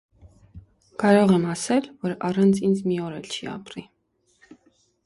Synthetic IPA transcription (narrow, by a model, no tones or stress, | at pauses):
kɑɾɔʁɛmɑsɛlvɔɾɑrɑnt͡sʰind͡zmiɔɾɛlt͡ʃʰiɑ̰pɾi